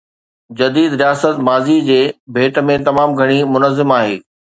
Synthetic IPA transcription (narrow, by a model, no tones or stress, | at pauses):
d͡ʑɐd̪iːd̪ɾijaːsət̪maːzid͡ʑeːbʱeːʈə̆mẽt̪ɐmaːmɡʱɐɽ̃imʊnəzɪmaːɦeː